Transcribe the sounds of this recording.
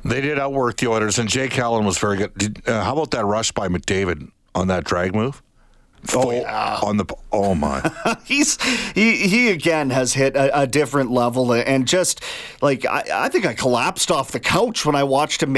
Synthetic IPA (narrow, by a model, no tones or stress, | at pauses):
ðeɪdɨɾaʊt̚wɜ˞k̚ðiɔɹɾə˞zɨ̃nd͡ʒeɪkʰælˠə̃nwʌzvɛɹiɡʊd̚dɨʌhaʊbaʊt̪̚ðɨt̚ɹʌʃb̥aɪmɨk̚d̥eɪvɨɾ | ə̃n̩ðɨt̚dɹæɡ̚muv̥ | ə̃nðəpoʊmã̰ɪniz̥hiiɨɡɛ̃nɨz̥hɪɾɨʔɨdɪfɹɨ̃nʔlɛvl̩ˠɨ̃ʔɨ̃nd͡ʒʌst̚laɪka̰ɪa̰ɪθɪ̃ŋkaɪkʰəlæpstɔfðɨkʰoʊt͡ʃwə̃naɪwɑt͡ʃtɨm